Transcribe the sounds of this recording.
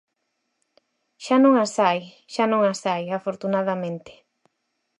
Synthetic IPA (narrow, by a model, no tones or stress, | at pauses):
ʃanõŋasaj | ʃanõŋasajafoɾt̪unaðamẽnt̪ɪ̥